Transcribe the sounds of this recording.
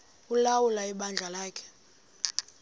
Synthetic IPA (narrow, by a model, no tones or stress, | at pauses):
ulawulaiɓand͡ɮʱalaːkʰɛ̥